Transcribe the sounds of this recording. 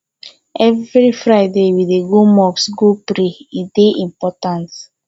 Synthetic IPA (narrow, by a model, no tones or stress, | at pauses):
ɛvɾifɾaɪdewideɡomɔksɡopɾeideʔĩmpɔtãnt